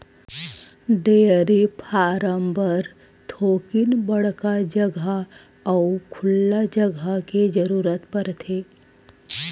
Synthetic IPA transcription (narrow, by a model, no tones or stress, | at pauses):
ɖeːɾipʰaːɾəmbəɾ | t̪ʰoːkinbəɽkad͡ʒəɡʱa | ɐukʰʊlːad͡ʒəɡʱaked͡ʒəɾuːɾət̪pəɾt̪ʰeː